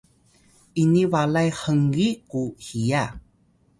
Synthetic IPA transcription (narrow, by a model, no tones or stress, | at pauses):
ʔinivalajħəŋɡikuhija